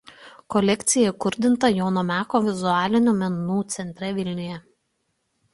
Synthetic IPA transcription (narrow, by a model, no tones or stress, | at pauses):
kɔlʲɛkʲt̪sʲɪjɛkʊɾʲd̪ʲɪnt̪ɐjoːnomʲæːkoːʋʲɪzʊaːlʲɪnʲuːˑmʲɛnuːt̪sʲɛnʲt̪ʲɾʲɛʋʲɪlʲnʲɪjɛ